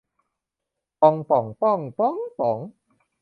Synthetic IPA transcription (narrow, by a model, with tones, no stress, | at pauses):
pɔ˧ŋp̪ɔ˨˩˦ŋp̪ɔ˥˩ŋp̪ɔ˥˩˨ŋpɔ˨˩˦ŋ